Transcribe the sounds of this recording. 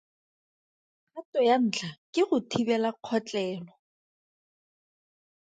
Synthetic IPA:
atɔjan̩ːt͡ɬʰakʼɪχʊtʰibɛlaq͡χʰɔt͡ɬʼɛːlɔ

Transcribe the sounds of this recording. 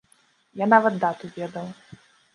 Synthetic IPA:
janavɐt̪̚d̪at̪uvʲɛd̪ɐw

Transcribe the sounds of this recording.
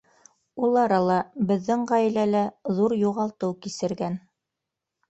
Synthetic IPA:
ulˠɑɾɑlˠɑbɘ̆ðːɘŋʁæjɘ̆lælæðuɾjuʁɑlˠt̪ɤwkisɘ̆ɾɡæn

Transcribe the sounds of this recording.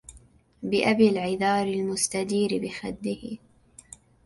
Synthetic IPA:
bɪʔabilʕɪðɑːɾɪlmʊst̪ad̪iːɾɪbɪxad̪ːɪhɪ

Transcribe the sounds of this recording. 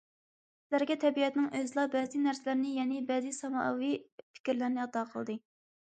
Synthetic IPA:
sɪlæɾɡʲɛt̪ʰɛbiɛt̪nɪŋʔøzlˠɑbɛzɪnæɾsɪlæɾnɪjɛnɪbɛzɪsɑmɑwipʰɪ̥kʲiɾlɪɾnɪɑt̪ɑqʰəlˠd̪ɨ

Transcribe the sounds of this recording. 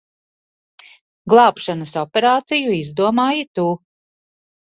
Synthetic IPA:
ɡlˠɑːpʃanəsɔpʲeɾaːt̪sijuizd̪uɔmaːjit̪uː

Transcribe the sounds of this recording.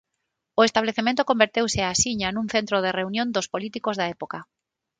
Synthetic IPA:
oest̪aβleθemẽnt̪okombeɾt̪ewseasiɲanũŋθent̪ɾoð̞ereunjõnd̪ospolit̪ikozðaepoka

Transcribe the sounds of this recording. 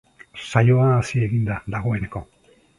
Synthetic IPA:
sajo̞aːsie̞ɣind̪ad̪aɣ̞o̞e̞ne̞ko̞

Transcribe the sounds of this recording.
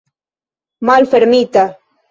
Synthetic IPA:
malfeɾmit̪a

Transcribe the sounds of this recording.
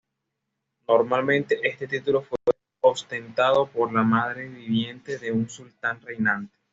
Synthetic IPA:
no̞ɾmalmẽ̞nt̪e̞ʔe̞st̪e̞t̪it̪ulo̞fwe̞ | ost̪e̞nt̪aðo̞poɾlamaðɾe̞βiβje̞nt̪e̞ðe̞unsult̪anre̞jnant̪e̥

